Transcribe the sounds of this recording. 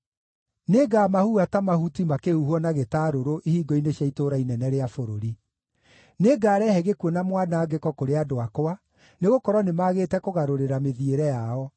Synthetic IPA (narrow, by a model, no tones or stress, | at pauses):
neɡamahuatamahutimakeuhuɔnaɣetaɾoɾoʔihiːɡɔineɕjaitoɾainɛnɛɾeafoɾoɾi | neɡaːɾɛhɛɣekwɔnamwanaːɡekɔkoɾeadoakoa | neɣokɔɾwɔnemaːɣeːtɛkoɣaɾoɾeɾameðieɾɛjaɔ